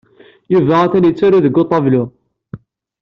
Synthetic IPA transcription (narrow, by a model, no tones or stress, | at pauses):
juvæʁæθænjət͡sːʊɾuðəɡːot̪ˤːɑvlu